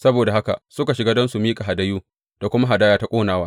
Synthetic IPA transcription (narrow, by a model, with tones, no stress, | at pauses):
sɐ˦boː˨da˨ha˦ka̰˨sʊ˦ka˨ʃɪ˨ɡaː˦dɔ˦nsu˨miː˦kʼa˨ɦa˨dɐ˦juː˦ | d̥a˨kʷʊ˦ma˦ɦa˨daː˦jaː˦ta˦kʷʼoː˦naː˨˦waː˦